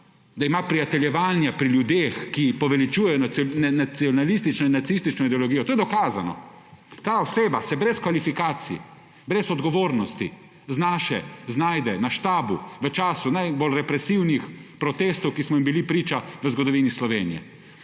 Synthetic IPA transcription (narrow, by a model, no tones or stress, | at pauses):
d̪aimapɾijat̪ɛljɛʋanjapɾiljud̪eːxkipɔʋɛlit͡ʃuːjɛjɔnananasiɔnalist̪it͡ʃnɔinːat̪sist̪it͡ʃnɔid̪ɛɔlɔɡijɔt̪oːjɛd̪ɔkaːzanɔ̰ | t̪aːɔseːbasɛbɾɛskʋalifikaːt̪sii | bɾɛsɔd̪ɡɔʋoːɾnɔst̪ḭ | znaːʃɛznaːjd̪ɛnaʃt̪aːbuʋət͡ʃaːsunajbolɾɛpɾɛsiwnixpɾɔt̪eːst̪ɔwkismɔimbilipɾiːt͡ʃaʋəzɡɔd̪ɔʋiːnislɔʋeːnijɛ̰